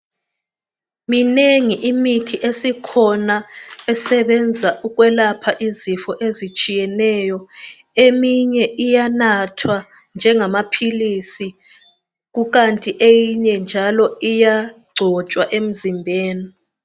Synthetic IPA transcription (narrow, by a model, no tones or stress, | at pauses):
mineŋiʔimitʰiʔesikʰɔnaɛsɛɓɛnd͡zʱaʔuk̬wɛlapʰaʔizifɔʔezit͡ʃʼijɛnɛjɔ | emiɲɛʔijanatʰwa | nd͡ʒʱɛŋamapʰilisi | k̬uk̬antʼiʔejiɲɛnd͡ʒʱalɔijaɡ͡ǀʱɔt͡ʃʼwaʔem̩zimbʱeːni